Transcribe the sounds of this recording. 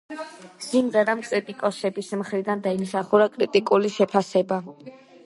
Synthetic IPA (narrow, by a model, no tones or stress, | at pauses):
simʁɛɾamkʼɾit̪ʼikʼɔsɛbismχɾid̪and̪aimsaχuɾakʼɾit̪ʼikʼuliʃɛpʰasɛba